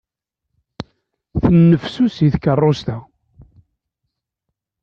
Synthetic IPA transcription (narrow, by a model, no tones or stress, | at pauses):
θənːəfsusiθkərˤːost̪æ